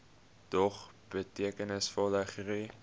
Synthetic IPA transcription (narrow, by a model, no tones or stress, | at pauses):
tɔχ | b̥ətiəkənəsfɔlˠdəχri